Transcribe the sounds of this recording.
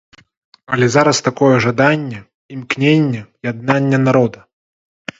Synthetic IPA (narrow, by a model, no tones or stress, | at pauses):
ɐlʲɛzaɾɐst̪akɔjɛʐad̪anʲːɛ | imknʲenʲːɛjad̪̚nanʲːɛnaɾɔd̪ɐ